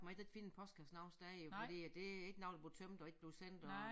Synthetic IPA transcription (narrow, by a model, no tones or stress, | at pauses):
ɡ̥mɑeɡ̥eɡ̥fḭːn̩pʰɒ̽sɡ̥ʰæsd̥nɑ̈ʊ̰nsd̥æfɒd̥ḭːæd̥e̝e̝ɡ̥nɑ̈ʊd̥ble̝t͡sʰømd̥ɒ̽e̝ɡ̥əb̥leʊsen̰d̥ɒ